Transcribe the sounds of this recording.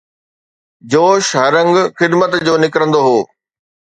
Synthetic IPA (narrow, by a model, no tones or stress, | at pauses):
d͡ʑoːʃɦɐɾə̃ŋɡxɪd̪mət̪d͡ʑoːnɪkɾə̃nd̪oɦoː